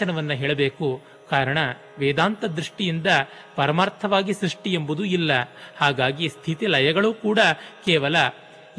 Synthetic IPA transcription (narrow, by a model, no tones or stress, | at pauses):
ɐnɐʋɐnːɐɦeːɭɐbeːku | kaːɾɐɳɐ | ʋeːd̪aːnt̪ɐd̪ɾuʂʈijind̪ɐ | pɐɾɐmaːɾt̪ʰɐʋaːɡisɾuʂʈiembud̪uilːɐhaːɡaːɡist̪ʰit̪ilɐjɐɡɐɭuːkuːɽɐkɛːʋɐlɐ